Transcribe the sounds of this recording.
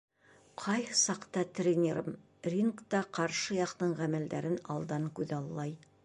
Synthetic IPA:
qʰɑjhsɑqt̪ɑt̪rʲenʲeɾɤm | rʲiŋkt̪ɑqɑɾʃɤjɑqt̪ɤɴʁæmæld̪æɾɘnɑ̰lˠd̪ɑŋkʉðɑlˠːɑj

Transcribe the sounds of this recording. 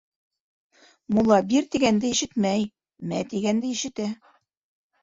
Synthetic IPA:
mulˠɑbiɾt̪iɡænd̪ɘiʃɘt̪mæj | mæt̪iɡænd̪ɘiʃɘ̆t̪æ

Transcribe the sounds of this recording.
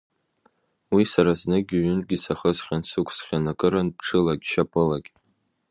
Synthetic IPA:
wisaɾaznɨɡʲɪɥʏnɡʲisaχəzχʲansɨkʷʰsχʲanakʼɨɾɨnpʰʈ͡ʂʰɨlakʲʃapʼɨlakʲ

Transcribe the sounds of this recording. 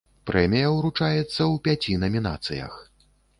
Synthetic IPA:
pɾɛmʲijɐwɾut͡ʂajɛt̪sːɐwpʲat͡sʲinɐmʲina̰t̪sɨ̰jɐ̰x

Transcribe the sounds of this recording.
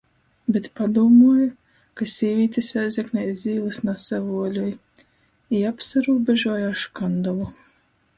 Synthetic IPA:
bʲet̪pad̪uɔmuɔja | kasʲiːvʲiːt̪ʲisæzʲɛknʲɛzʲiːlˠɨsnasavuɔlʲuj | iapsaɾuːbʲeʒuɔjaaʃkand̪ɔlˠu

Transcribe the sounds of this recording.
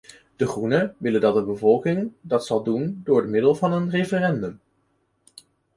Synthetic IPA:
d̥əχrunəʋɪləndɑt̚dəbəvɔlˠkɪŋdɑtsɑlˠdundʊːɹdəmɪdəlˠvɑnənrefərɛndəm

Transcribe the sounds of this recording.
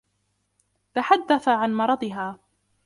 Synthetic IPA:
t̪aħad̪ːaθaʕanmɑɾˤɑd̪ˤɪɦaː

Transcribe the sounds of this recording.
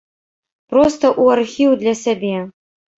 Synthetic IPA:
pɾɔst̪ɐʔuarxʲiwd̪lʲɐsʲabʲɛ

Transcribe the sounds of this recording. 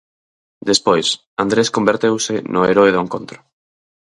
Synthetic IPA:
d̪espojs | and̪ɾeskombeɾt̪ewsɪnʊeɾoeðoeŋkont̪ɾʊ̥

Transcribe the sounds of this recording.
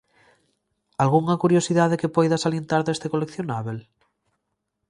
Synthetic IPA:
alɣuŋakuɾjosiðaðekepojðasaljent̪aɾðest̪ekolekθjonaβel

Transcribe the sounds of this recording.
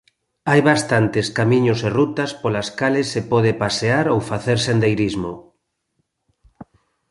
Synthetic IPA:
ajβast̪ant̪eskamĩɲoserut̪aspolaskalesːepɔð̞epaseaɾowfaθeɾsend̪ejɾizmo

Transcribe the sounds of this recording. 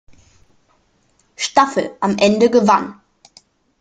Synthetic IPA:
ʃtafl̩ʔamʔɛndəɡəvan

